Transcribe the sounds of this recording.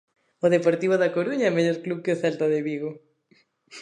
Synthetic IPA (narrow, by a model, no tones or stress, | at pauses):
ʊðepoɾt̪iβoðɐkoɾuɲaemeʎoɾkluβkeoθalt̪ɐðeβiɣo